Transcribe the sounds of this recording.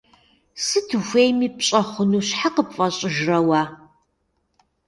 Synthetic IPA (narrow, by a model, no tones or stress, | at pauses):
sɨtʰɨxʷejmiːpɕʼɐχʷʊnuːɕħaqəpfʼɐɕʼɪʒrɐwaː